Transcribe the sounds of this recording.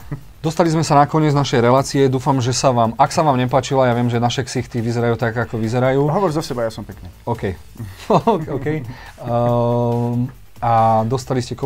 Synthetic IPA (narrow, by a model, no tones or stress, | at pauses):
d̪ɔst̪alizmɛsanakɔɲɪɛd͡znaʃɛjɾɛlaːt͡siɛd̪uːfamʒɛsaʋaːmaksaʋaːmɲɛp̬aːt͡ʃilajaʋɪɛmʒɛnaʃɛksixt̪iʋizɛɾajuːt̪aɡakɔʋizɛɾajuːɦɔʋɔɾzɔsɛbajasɔmpɛkɲɛɔkɛj | kɔkɛj | ad̪ɔst̪aliscɛk